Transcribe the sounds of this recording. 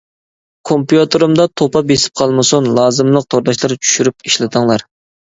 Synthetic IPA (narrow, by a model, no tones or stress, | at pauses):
kʰompjut̪ʰɨɾumd̪ɑt̪ʰopɑbesɪ̥p̚qʰɑlˠmɨsunlˠɑːzɨmlˠəq̚t̪ʰoɾd̪ɑʃlˠɨɾt͡ʃʰy̥ʃyɾypiʃlɪt̪ʰɨŋlˠɑɾ